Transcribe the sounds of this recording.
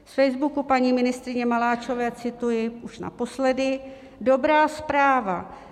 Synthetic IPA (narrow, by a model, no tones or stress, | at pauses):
ffɛjzbukupaɲiːmɪnɪst̪ɾɪɲɛmalaːt͡ʃo̞vɛːt͡sɪt̪ujɪʔuʃna̰po̞slɛdɪ | do̞bɾaːspɾaːva̰